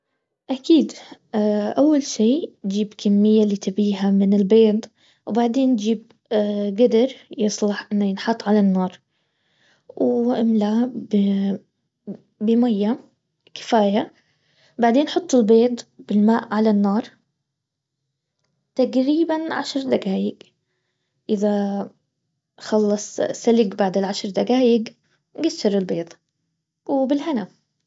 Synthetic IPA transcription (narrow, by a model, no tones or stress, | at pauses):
ʔakiːd̪ | ʔawːalʃiːnd͡ʒiːbkʰamːɪjːaliːt̪abiːɦamɪnɪlbeːd̪ˤ | wbaʕd̪eːnd͡ʒiːb̚ | ɡad̪ɑɾjɨsˤlɑħʔɪnːajɪnħɑt̪ˤːʕalanːɑːɾˤ | wʔamlab | bɪmajːa | kɪ̥faːja | baʕd̪eːnħʊt̪ˤːɪlbeːd̪ˤb̥ɪlmaːʔʕalanːɑːɾˤ | t̪aɡɾiːbanʕa̰ʃɾˤd̪aɡaːjɪɡ | ʔɪða | xɑlːɑsˤsalɪɡbaʕd̪ɪlʕaʃɾˤd̪aɡaːjɪɡ | ɡasːɑɾˤɪlbeːt̪ˤ | wbɪlhana